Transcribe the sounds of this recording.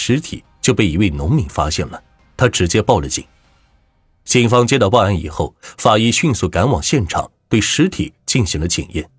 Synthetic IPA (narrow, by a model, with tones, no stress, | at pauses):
ʂɻ̩˧˥t̪ʰḭ˨˩˦t͡ɕjo˥˧ʊpe˥˩ɪi˧˥we˥˩ɪnʊ˧˥ŋmi˧˥ŋfa˥ɕjɛ˥˩nlə˩ | t̪ʰa˥ʈ͡ʂɻ̩˧˥t͡ɕjɛ˥pɑ˥˩ʊlə˨˩t͡ɕḭ˨˩˦ŋ | t͡ɕi˨˩ŋfɑ˥ŋt͡ɕjɛ˥t̪ɑ˥˧pɑ˥˧a˧˥ni˨˩xo˥˩ʊfa˨˩i˥˧ɕy˥˧nsu˥˩ka˧˥nwɑ˨˩ŋɕjɛ˥˩nʈ͡ʂʰɑ̰˨˩˦ŋt̪we˥˩ɪʂɻ̩˧˥t̪ʰḭ˨˩˦t͡ɕi˥˩nɕi˧˥ŋlə˧t͡ɕḭ˨˩ŋjɛ̰˥˩n